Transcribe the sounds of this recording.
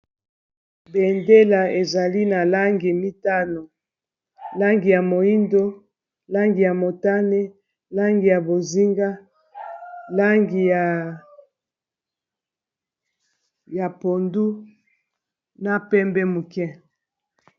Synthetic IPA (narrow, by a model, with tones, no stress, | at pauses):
be˨nde˦la˨e˨za˨li˦na˨la˦ŋɡi˨mi˦ta˦no˨ | la˦ŋɡi˨ja˨mo˨i˦ndo˦ | la˦ŋɡi˨ja˨mo˨ta˦ne˦ | la˦ŋɡi˨ja˨bo˨zi˦ŋɡa˦ | la˦ŋɡi˨ja˨ | ja˨po˨ndu˦ | na˦pɛ˦mbɛ˦mu˨kɛ̃˦